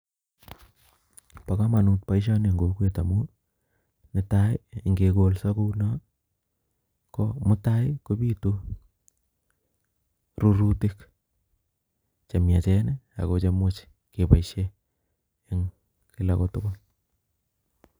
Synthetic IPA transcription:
pa˨ka˦ma˨nu˨t̚pa˦iʃ̬a˦ne˨ŋɡo˨kwe˨ta˨mu | nɪtajŋɡe˨ko˨lsa˦ko˦una˦ | komʊ˦tajko˦pi˦tu˦ | ɾuɾutik | t͡ʃa˨mja˨t͡ʃɛnɛa̰˨ko˨t͡ʃe˦mʊt͡ʃ | ke˨paiʃeː | ŋ | kɪ˦lakotʊkʊ˦l

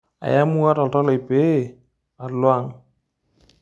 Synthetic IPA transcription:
a̰˨ja˦mu˦a˦tɔ˨ltɔ˦lɔ˨i˨pe˦˨ | a˨lwa˦ŋ

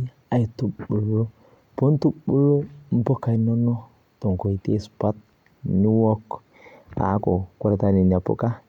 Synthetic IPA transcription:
a˨ji˨tu˦bu˨lo˦ | po˦n˦tu˦bu˦lo˦m̩˦po˦kːa˨no˦no˦ | to˨ŋ˨ko˨i˨te˦spa˦t̚ | ni˦wo˦k | a̰˨˦ko˨ku˦ɾa˨ta˦ni˨n˨a˨po̰˦ka˦

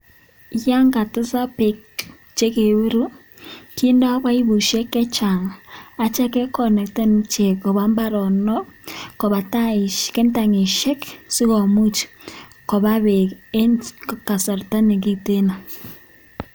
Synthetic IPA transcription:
ja˦ŋɡa˨tɪ˦sa˦pe˨k | t͡ʃe˦ke˨βu˦ɾu˦ | ki˦nda˦βa˦i˦βu˨ʃe˦kɛ˦t͡ʃa˨ŋa˨t͡ʃa˦kɛ˦kɔ˨nɛ˨kte˦n˦t͡ʃe˨kɔ˨βa˦mba˦ɾɔ˨nɔ˦kɔ˨βa˨ta˦ɪ˨ʃkɛ˦nta˨ŋe˨ʃɛ˦ksi˦kɔ˨mu˦t͡ʃ | kɔ˨βa˦βe˨ke˦nkka˨sa˨ɾta˦ne˨ki˦te˦na˨

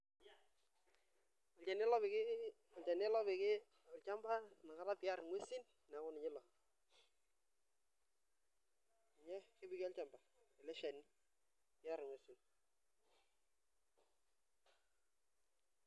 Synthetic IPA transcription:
ɔ˨lt͡ʃa˨n˦lɔ˦bɪ˨kɪ˦ | ɔ˨lt͡ʃa˨nɪ˦lɔ˦bɪ˨kɪ˦ | ɔ˨lt͡ʃa˦mba˦na˨ka˦ɾa˦pɪ˨a˦ɾɪ˨ŋwe˦si˦n | na˨kʊ˦nɪ˨ɲɪ˦lɔ˨ | ɪ˨ɲɛ˦kɪ˦bɪ˨kɪ˦a˦lt͡ʃa˨mba˨ɪ˨lɛ˦ʃa˨ni˦ | pɪ˨ja˦ɾɪ˨ŋwe˨˦si˦n

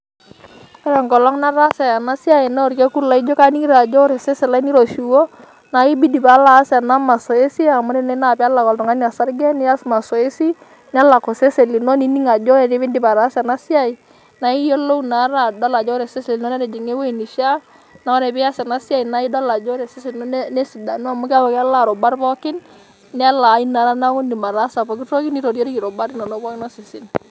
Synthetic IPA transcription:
ɔ˦ɾɛ˨ŋɡɔ˨lɔ˦ŋna˦ɾa˦sɛ˨a˨na˦sja˨ɪ˨na˦ɔ˨ɾkɛ˦ku˦la˨i˦d͡ʒo˦ka˦ni˦ɾa˨d͡ʒɔ˦ɾe˨se˦sɛ˨la˦i˦ni˦ɾo˨ʃu˨wɔ˦ | na˨˦i˦bi˦di˨pa˨˦la˨˦sa˨na˦ma˨sɔ˨e˦si˦a˨mʊ˦ne˦nɛ˦na˨pɛ˦a˦la˨kɔ˨ltʊ˨ŋa˦nja˨sa˦ɾɡɛ˦nɪ˦a˦sma˨sɔ˨e˦si˦ | n˦a˦la˨kɔ˨se˦se˨li˨no˦ni˦ni˦ŋa˨d͡ʒɔ˦ɾɛ˨ne˦bɪ˦ndi˨pa˨ɾa˨˦sa˨na˦sja˦˨i˨ | na˨˦i˦jo˦lo˦wna˨˦ɾa˦dɔ˦la˨d͡ʒɔ˦ɾɛ˨se˦se˨li˨no˦na˦de˨d͡ʒi˨ŋe˦we˦i˨ni˨ʃa˦ | na˨ɔ˦ɾɛ˨bɪ˦ja˦sɛ˨na˦sja˦˨i˨na˦i˦dɔ˦la˨d͡ʒɔ˦ɾɛ˨se˦se˨lno˦n˦ne˦si˨da˨nu˦a˨mʊ˦ka˦pɔ˨ka˦la˦˨ɾɔ˨ba˦ɾpɔ˦kɪ˦n | nɛ˦a˦la˨˦i˦na˨ɾa˦na˦kʊ˦ndi˨ma˨ɾa˦sa˨pɔ˨k̬i˦to˦kɪ˦ni˦ɾo˨ɾjo˦ɾi˦ki˨ɾɔ˨ba˦ɾi˦nɔ˨nɔ˦bɔ˦kɪ˦na˦si˨si˨n

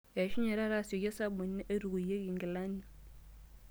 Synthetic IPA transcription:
ja˨ʃu˦ɲe˨ɾa˦ɾa˦˨so˨je˦sa˦bu˨˦i˦ʔa˦ɾu˨ɡu˨je˦ɡi˨ŋ˨ɡi˨la˦ɲi˨

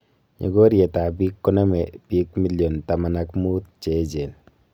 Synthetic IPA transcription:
ɲḛ˨ɡo˦ɾje˨ta˨bi˦kːɔ˦na˦mɛ˨b̥i˦kmi˦ljɔ˨nta˨ma˨na˦kmu˦t̪̚t͡ʃe˦d͡ʒe˨n

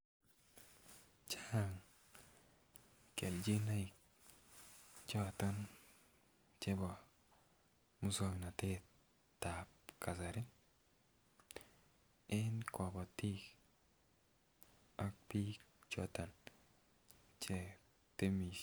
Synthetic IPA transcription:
t͡ʃaa˦ŋ | ke˨ld͡ʒi˦na˦i˨k̚ | t͡ʃɔ˦t̪a˦n | t͡ʃɛ˦bɔ˨ | mu˦sɔ˦mi˨na˨te˦ | ta˨p̚ka˨sa˨ɾɪ˦ | ɪ˦nkɔ˨bɔ˨ti˦k | a˦k̚pi˦t͡ʃɔ˦ta˨n | t͡ʃe˦ | te˦mi˨

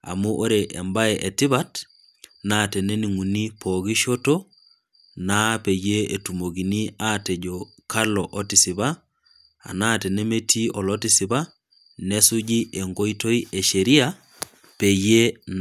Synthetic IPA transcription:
a̰˨mu˦ʔo˦ɾeʔe˨mba˦ɛʔe˨ti˦βat | nate˨ne˦ni˨ŋu˨ni˦poɣi˦ʃo˦to | na˦pe˨je˦e˨tu˨mo˨ɡi˨ni˦ate˨ɟo | ka˦loʔo˦tisi˨βa˦ | a̰˨na˦te˨ne˦metʰi˦ʔo˨loti˦siβa | ne˦su˦ɟi˦ʔe˨ŋɡo˦ito˦i˦e˨ʃeɾi˦a | pe˨je˦n

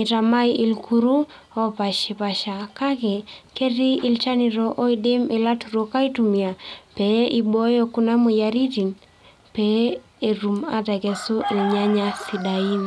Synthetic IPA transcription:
i˨ta˨ma˦jʔi˨lkʰu˦ɾu˦ | o˦pa˨ʃe˨pa˨ʃa˨ka˦kɛ˨ke˦ɾi˦i˦˨lt͡ʃa˦nɪ˨ɾɔ˦ʔo˦i˦dɪ˦mɪ˨la˦tu˨ɾo˦ka˦i˦tu˨mi˨a˨pɛ˨i˦bo˦jɔ˦ku˦na˦mo˨ja˨ɾi˦ti˨n | pɛ˨ | e˨ɾu˨ma˨tɛ˨kɛ˨so˦ʔi˨lɲa˦ɲa˦si˨da˨i˦n

